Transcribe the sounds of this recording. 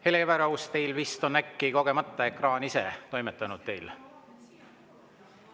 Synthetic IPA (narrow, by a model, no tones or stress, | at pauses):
he̞levæɾɑust̪e̞jlvist̪o̞nækːiko̞ɡ̥e̞mɑt̪ˑːɑekrɑːnise̞t̪o̞jmet̪ːˑɑnud̪̥̚t̪e̞jl